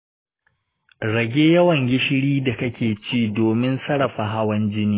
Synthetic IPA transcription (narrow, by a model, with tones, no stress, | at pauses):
ɽɐ˨ɡʲeː˦jɐ˦wɐ˨ŋɡʲɪ˦ʃɪ˦ɽiː˦da˨kɐ˦kʲeː˨t͡ʃiː˦doː˨mɪ˦nsɐ˦ɽɐ˨ɸa˨ɦa˦wɐ˦nd͡ʒɪ˦niː˦